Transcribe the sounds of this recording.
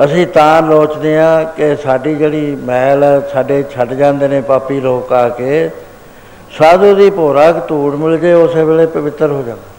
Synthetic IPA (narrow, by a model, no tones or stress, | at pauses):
əsĩːt̪ãːloːt͡ʃd̪eːãːkɪsaːɖiːd͡ʒeːɽiːmɛːlsaːɖeːt͡ʃʰəɖd͡ʒãːnd̪eːnẽːpaːpːiːloːkaːkeː | saːd̪uːd̪iːpoːɾaːkt̪uːɽmɪld͡ʒeːʊsʋeːleːpəʋɪt̪ːəɾɦoːd͡ʒãːnd̪eː